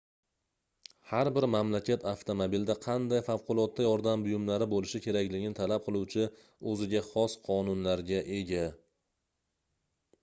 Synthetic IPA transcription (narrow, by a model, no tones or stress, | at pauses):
haɾbɪɾmamlakʲʰat̪ʰaft̪ʰomobild̪aqʰɑnd̪ajfawqʰʊlˠɒt̪ːajɒɾd̪ambʊjʊmlaɾɪbolɪʃɪkʲʰe̞ɾakʲlɪɡʲɪnɪt̪ʰalap̚qʰɨlˠuwt͡ʃʰɪ | ɵzɪɡʲaχɒsqʰɒnʊnlaɾɡʲaʔe̞ɡʲa